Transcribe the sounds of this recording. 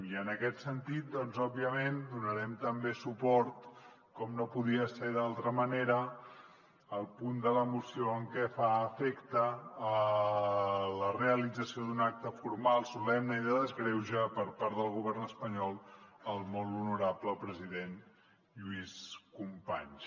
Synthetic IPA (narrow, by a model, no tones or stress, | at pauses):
iənəkɛt̪sənt̪it̪̚d̪ɔnzɔbːiəmend̪unəɾɛmt̪əmbesupɔɾt̪ | kɔmnopuðiəseðalˠt̪ɾəməneɾə | lˠpund̪ələmusioəŋkɛfaəfekt̪əː | ləreəlid͡zəsiod̪unak̚t̪əfuɾmalˠsulɛmnəiðəðəzɣɾɛwʒəpəɾpaɾt̪əlˠɣuβ̞ɛrnəspəɲɔlˠəlˠmɔlˠunuɾapləpɾəziðen | ʎuiskumpa̰ɲ